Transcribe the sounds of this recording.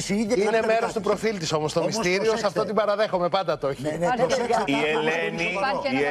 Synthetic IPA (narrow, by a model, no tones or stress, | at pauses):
ineme̞ɾo̞st̪upɾo̞filt̪iso̞most̪omist̪iɾio̞sɐft̪ot̪ibɐɾɐðe̞xo̞me̞pɐnd̪ɐt̪o̞çi | ileni